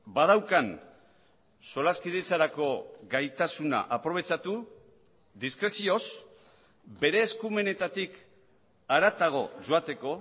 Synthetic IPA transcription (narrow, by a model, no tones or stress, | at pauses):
bað̞awkan | solaskiðet͡saɾako̞ɣajt̪asuna̰ʔapɾo̞β̞e̞t͡ʃat̪u | ðiskɾe̞sio̞s | be̞ɾe̞ːskume̞ne̞t̪at̪ik | aɾat̪aɣ̞o̞̰ʝo̞at̪e̞ko̞